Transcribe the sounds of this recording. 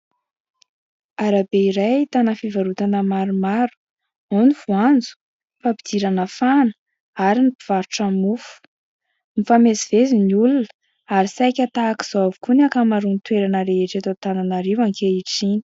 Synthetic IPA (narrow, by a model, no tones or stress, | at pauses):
aɾabeiɾajt̪anəfivaɾut̪anəmaɾumaɾu̥ | onivuand͡zu̥ | fapid̪̥iɾanəfanə̥ | aɾinipi̥v̥aɾuʈ͡ʂamufu̥ | mifameziveziniulunə̥ | aɾisajkʲat̪aki̥z̥oav̥kunakamaɾunit̪weɾanəɾeɦeʈ͡ʂat̪ot̪ananaɾewaŋkʰeiʈ͡ʂini̥